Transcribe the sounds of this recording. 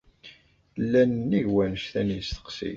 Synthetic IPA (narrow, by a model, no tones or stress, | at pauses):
lːænnːiʝwænəʃθænist̪ə̥qsḭ